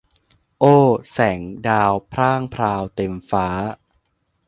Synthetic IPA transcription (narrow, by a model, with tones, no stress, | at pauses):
ʔoː˥˩sɛ˩˦ŋdaː˧wpʰɾaː˥˩ŋpʰɾaː˧wt̪e˧mfaː˦˥